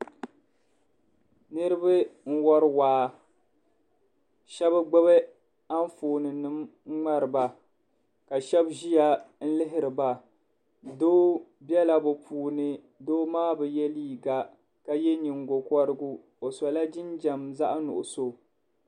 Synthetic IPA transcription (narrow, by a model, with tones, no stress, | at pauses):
nɨ˦ɾɨ˦bɨ˦ŋ̩˦wɔ˦ɾɨ˦waː˨˦ | ʃɛ˦bɨ˦ɡ͡bɛ˦βɛ˦ | a˦ɱ˦foː˨nɨ˨nɨ˨m˦ŋ͡ma˦ɾɨ˨ba˨ | ka˨ʃɛ˦bʒi˦ja˨n̩˦lɪ˦ɦɪ˦ɾɨ˨ba˨ | doː˦ | bjɛ˦la˦bɨ˨pʰuː˨nɨ˦ | doː˦maː˦bɛ˨jɛ˦liː˦˨ɡa˦ | ka˦jɛ˦ɲi˨ŋɡo˨kɔ˦ɾɨ˦ɡu˦ | o˨sɔ˨la˦d͡ʒɪ˦nd͡ʒɛ˨mza˦ʔnʊ̰˨ʔʊ̰˨so˦